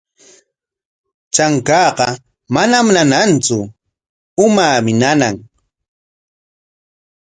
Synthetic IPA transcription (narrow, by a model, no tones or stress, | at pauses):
t͡ʃaŋkɑːqɑ | manamnanant͡sʊ | ʊmaːmɪnana̰ŋ